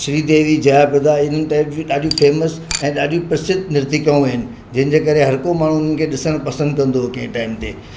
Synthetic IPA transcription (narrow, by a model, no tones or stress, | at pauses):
ʃɾid̪eːʋid͡ʑɐjapɪd̪aɪn̤ənɪ̆ʈaːɪpd͡ʑĩɗaːɗiũfeːməs | ɛ̃ːɗaːɗijũpɾɪsɪt̪̚nɪɾt̪ikaũɐɦɪnɪ̆ | d͡ʑɐ̃ɦɪ̃n̆d͡ʑeːkɐɾeɦɐɾkomaːɳ̤uɪn̤ənɪkʰeːɗɪsəɽ̃pɐsə̃nd̪̚kɐ̃nd̪okɐ̃ɦɪ̃ʈaːɪmt̪ʰeː